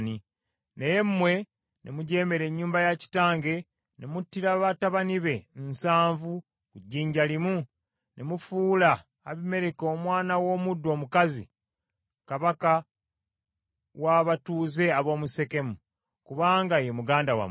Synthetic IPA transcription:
ni | nejemmwe̞ | nʔḛmuɟe̞ːme̞ɾe̞ɲːuːmbajaci̥taːŋɡe̞ | nʔemutːiɾaβataβaniβe̞nsaːɱvu | kuɟːiːɲɟalimu | nʔemufuːla̰ː | βime̞ɾeko̞ːmwaːnawo̞ːmudːo̞ːmukazḭ | kaβaka | waβatuːze̞aβo̞ːmuse̞ke̞mu | kuβaːŋɡajemuɡaːndawa̰m

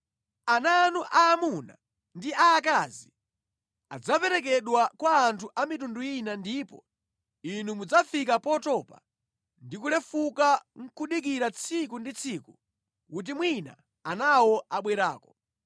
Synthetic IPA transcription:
ananuʔaːmuna̰ | ndiaːk̬azi | a̰d͡zapɛɾɛk̬ɛɗwakwaːntʰuʔamitunduinandiːpɔ̰ | inumud͡zafikapɔtɔpa̰ | ndikulɛfukaŋ̩kʰuɗik̬iɾat͡sʰikundit͡sʰiku | kut̬imwina̰ | anawɔʔaɓwɛɾa̰ːkɔ

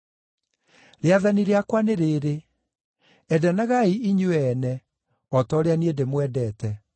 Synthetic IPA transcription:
ɾeaðaniɾeakwaneɾeːɾe | ɛdanaɣaiiɲoɛnɛ | ɔtɔɾeaniedemwɛdɛtɛ

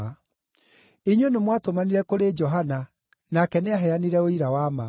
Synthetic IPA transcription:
eɲwenemwatomaniɾɛkoɾed͡ʒɔɦana | nakɛneaɦɛaniɾɛoiɾawama

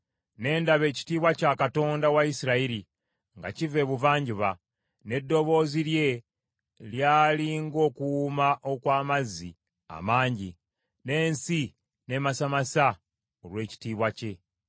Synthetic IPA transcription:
ne̞ːndaβe̞ːci̥tiːβwacakato̞ːndawaisiɾaiɾi | ŋɡa̰cive̞βuvaːɲɟuβa | ne̞dːo̞βo̞ːziɾje̞ | ljaːliŋɡo̞kuwumaʔo̞kwaːmazi | a̰maːɲɟi | ne̞ːnsi | ne̞masamasa | oɾwe̞ːci̥tiːβwace̞

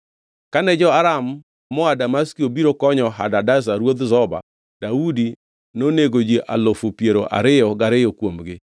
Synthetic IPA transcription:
kanɛd͡ʒɔaɾamː | ɔadamaskiobiɾokɔɲɔɦa̰dadazaɾwod̪zɔba̰ | daudi | noneɡod͡ʒiʔalofopjeɾoʔa̰ɾɪjɔɡaɾɪjɔkwomɡɪ

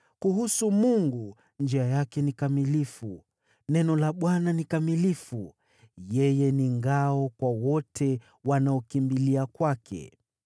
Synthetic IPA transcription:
kuɦusumuŋɡu | nd͡ʒiajakɛnikamilifu | nɛnɔlaɓwananikamilifu | jɛjɛniŋɡaɔkwawɔtʰɛ | wanaɔkimbiliakwakʰɛ̰

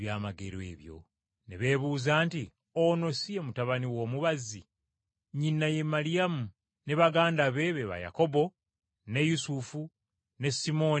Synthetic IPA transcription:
jaːmaɡeɾoe̞̰ːβjo̞̰ | nḛβe̞ːβuːzaːnti | ono̞siemutaβaniwo̞ːmuβazi | ɲinːaje̞malijamu | ne̞βaɡaːndaβe̞βeβa̰ja̰ko̞bo̞ | ne̞jusufu | ne̞simo̞

